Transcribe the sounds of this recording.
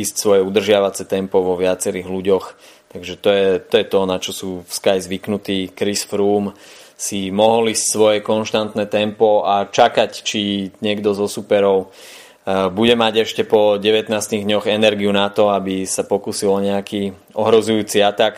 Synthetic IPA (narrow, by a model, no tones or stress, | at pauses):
iːscsʋɔjɛud̪r̩ʒɪaʋat͡sɛt̪ɛmpɔʋɔʋɪat͡sɛɾiːɣluɟɔx | t̪aɡʒɛt̪ɔjɛt̪ɔjɛt̪ɔnat͡ʃɔsuːfskajzʋiknut̪iːkɾisfɾuːmsimɔɦɔliːscsʋɔjɛkɔnʃt̪ant̪nɛt̪ɛmpɔat͡ʃakact͡ʃiɲɪɛɡd̪ɔzɔsupɛɾɔʊ | buɟɛmaɟɛʃcɛpɔɟɛʋɛt̪naːst̪iɣd̪ɲɔɣɛnɛɾɡiunat̪ɔabisapɔkuːsilɔɲɛakiː | ɔɦɾɔzujuːt͡siat̪ak